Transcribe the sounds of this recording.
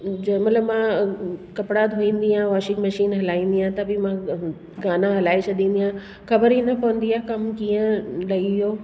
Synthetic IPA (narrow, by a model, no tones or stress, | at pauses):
d͡ʑmɐt̪ləbmãkɐpɪɽad̪ʱoĩːnd̪iãʋaːʃɪkmɐʃiːnɦɐlaːĩːn̆d̪iãt̪ɐbɪmã | ɡaːnãɦɐlaːet͡ɕʰɐd̪ĩːn̆d̪iɦã | xɐbəɾinɐpɐʋə̃nd̪iaːkɐmkiːə̃lɐijoː